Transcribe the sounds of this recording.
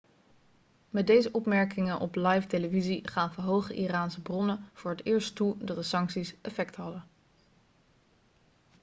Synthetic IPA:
mɛd̚dejzəʔɔpmɛɹkɪŋənʔɔ̰plɑjfteləviziχaːnvəɹɦowχəʔiraːnsəbrɔnəv̥ʊːɹətɪːɹsttudɑt̚dəsɑŋksisɛfɛktɦɑdə

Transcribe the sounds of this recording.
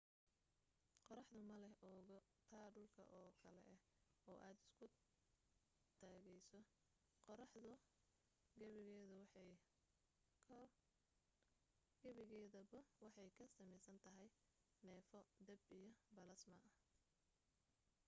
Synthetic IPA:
qɔɾɑħd̪ʊmɐlɛhʔɔːɣɔt̪ʰaːɖʊlkʰɐ̰ʔɔːkʰɐlɛ̰ɛ | ɔːʔaːd̪ɪskʰʊ | t̪ʰaːɣɛjsɔ | qɾɑħðʊ | ɡɐβɪɣɛːðɐw | kʰ | ɡ̥ɐβɪɣɛːðɐbɐwɑħɑjkʰɐsɐmɛjsɐnt̪ʰɐɦɛj | nɛːfɔd̪ɛbijɞbɐlɐsmɐʔɐ

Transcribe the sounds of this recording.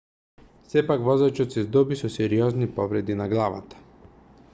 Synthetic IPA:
sɛpakvɔzat͡ʃɔt̪sɛzd̪ɔbisɔsɛɾiɔznipɔvɾɛd̪inaɡlˠava̰t̪ḁ

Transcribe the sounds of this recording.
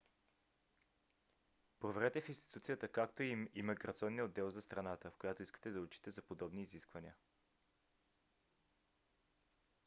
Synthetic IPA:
pɾovɛɾɛt̪ɛfinst̪i̥t̪ut̪sijət̪əkakt̪oiimiməɡɾɐt̪siɔnːiod̪ːɛlˠzɐst̪ɾɐnat̪əfkojat̪oiskə̥t̪ɛd̪ɐot͡ʃi̥t̪ɛzɐpod̪ɔbniːziskvɐniə

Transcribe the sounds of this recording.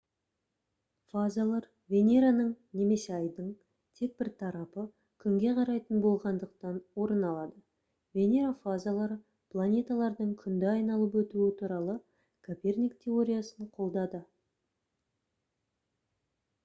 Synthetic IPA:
fazalˠɑɾ | vʲe̞nʲe̞ɾanəɴne̞me̞se̞ɑjd̪əɴ | t̪ʰe̞k̚bɪɾt̪ʰɑɾɑpə | kʲʰʏŋɡʲe̞qʰɑɾɑjt̪ənbo̞lˠʁɑnd̪əqt̪ɑnwo̞ɾənɑlˠɑd̪ə | vʲe̞nʲeɾafazalˠɑɾə | plˠanʲe̞t̪alˠɑɾd̪əɴkʲʰʏnd̪ɪɑjnɑlˠəp̬wɵt̪uɪt̪ʰuɾɑlˠə | kʰopʲe̞rnʲikt̪ʲʰe̞o̞ɾʲijasəɴqʰo̞lˠd̪ɑd̪ə

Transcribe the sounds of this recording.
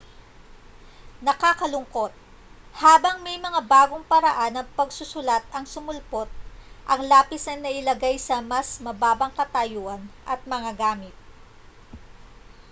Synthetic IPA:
nɐkaːkɐlʊŋko̞t̪̚ | haːbɐŋmɐɛjmɐŋabaːɡoŋpɐɾɐʔanːɐpɐɡsʊsʊlat̪̚ɐŋsʊmʊlpo̞t̪̚ʔɐŋlaːpɪsnɐjnɐʔɪlɐɡajsɐmɐsmɐbaːbɐŋkɐt̪ɐjuʔɐnʔɐt̪̚mɐŋaɡaːmɪt̪̚

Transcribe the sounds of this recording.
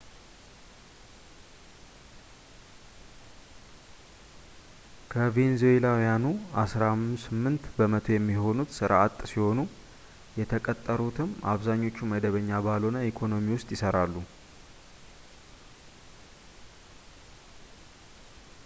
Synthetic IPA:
kʰəvenzoelawjanuasɾamsɨmːɨnt̪bəmət̪ʰo̞jɛmːiho̞nut̪sɨɾat̪ʼsiho̞nu | jɛt̪ʰəkʼət̪ʼːəɾut̪ʰɨma̰βzaɲːo̞t͡ʃːuməd̪əβəɲːabalonaikʰo̞no̞miwʊst̪ʼjɪsəɾalːu

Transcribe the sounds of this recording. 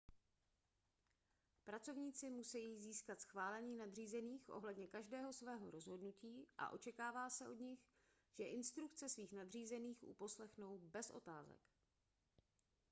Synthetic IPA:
pɾat͡so̞vɲiːt͡sɪmusɛjiːziːskat̪sxvaːlɛɲiːnadr̝iːzɛniːxʔo̞̰ɦlɛdɲɛkaʒdɛːɦo̞svɛːɦo̞̰ɾo̞zɦo̞dnuciːʔa̰ʔo̞t͡ʃɛkaːvaːsɛʔo̞dɲɪx | ʒ̥ɛʔɪnst̪ɾukt͡sɛsviːxnadr̝iːzɛniːxʔṵpo̞slɛxno̞wbɛsʔo̞̰t̪aːzɛ̰k

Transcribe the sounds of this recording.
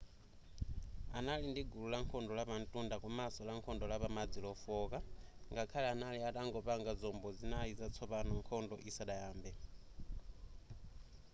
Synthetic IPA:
analindiɡululaŋkʰɔndɔlapantʼundakɔmasɔlaŋkʰɔndɔlapamad͡zilɔfɔkaŋɡakʰalɛanaliataŋɡɔpaŋɡazɔmbɔzinaizat͡sʰɔpanɔŋkʰɔndɔʔisaɗajaːmbɛ

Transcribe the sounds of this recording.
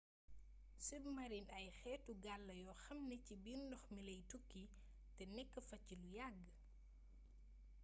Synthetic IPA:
sibmɐɾinɐjxɛːtːuɡalːɐjɔxɐmnɛcibindɔxmilɐjtukːi | tɛnɛkːəfɐcːilujaɡ

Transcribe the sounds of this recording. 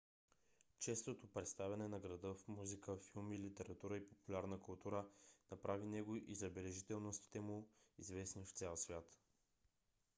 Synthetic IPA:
t͡ʃɛst̪ot̪opɾɛt̪st̪avʲɛnɛnɐɡɾɐd̪ɤfmuzikəfilˠmilit̪ɛɾɐt̪uɾəipopulʲaɾnəkʊlˠt̪uɾənɐpɾʔavinɛɡoʔizɐbɛlɛʒit̪ɛlˠnost̪i̥t̪ɛmuizvɛsnift̪sʲɛlˠsvʲjat̪

